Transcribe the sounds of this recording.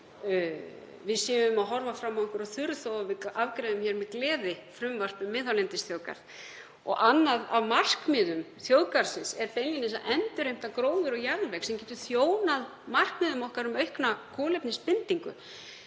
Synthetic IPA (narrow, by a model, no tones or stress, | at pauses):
vɪðsiːʏvʏmaðɦɔɾvafɾamaɔŋkʏɾɔθʏɾθowavɪavkɾɛːðʏmçɛːɾmɛðklɛːðɪfɾʏmvar̥pʏmːɪːðhawlɛnt̪ɪsθjoːwka̰ɾð | ɔ̰ɣʔanːaðavmar̥kmɪːðʏm | θjoːwkaɾ̥sɪnsɛɾpejlinɪsaʔɛnt̪ʏɾ̥ejm̥t̪akɾoːwðʏɾɔɣjaɾnvɛksɛmcɛːt̪ʏ̥θjoːwnað | mar̥kmɪːðʏmɔhkaɾʏmœɥhknakʰɔːlɛpnɪspɪnt̪iŋkʏ̰